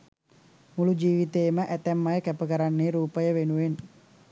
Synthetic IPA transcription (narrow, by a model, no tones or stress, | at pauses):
mulud͡ʒiʋit̪emaʔɛt̪ɛmːajakapəkaɾanːeɾupajaʋenuen